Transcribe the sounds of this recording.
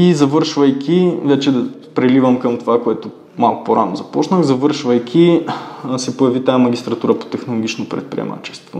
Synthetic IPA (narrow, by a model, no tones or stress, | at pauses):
izɐvɤɾʃvɐjkʲʰivɛt͡ʃɛd̪ɐ | pɾɛlivəmkəmt̪ovakoɛt̪ʊ | malˠkʊ̥poɾa̰nozɐpɔt͡ʃnəxzɐvɤɾʃvɐjkʲʰi | sɛpojɐvit̪ajamɐɡʲist̪ɾɐt̪uɾəpo̥t̪ɛxnolˠoɡit͡ʃnopɾɛ̰t̪̚pɾḭɛ̰ma̰t͡ʃɛ̥st̪vo̰